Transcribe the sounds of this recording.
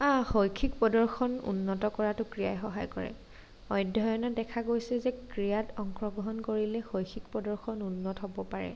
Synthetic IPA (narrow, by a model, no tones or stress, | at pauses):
axojkʰikpɔdɔɹxɔnṵnːɔtɔkɔɹatʊkɹijajxɔɦajkɔɹɛ̰ | ɔjdʱɔjɔnadɛkʰaɡojsɛzɛkɹijatɔŋkɹɔɡɹɔɦɔnkoɹilɛxojkʰikpɔdɔɹxɔnunːɔtɦobɔpaɹɛ̰